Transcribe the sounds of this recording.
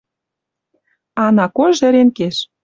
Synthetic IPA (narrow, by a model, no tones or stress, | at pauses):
ɑnɑkojʒɘ̆ɾenkeʃ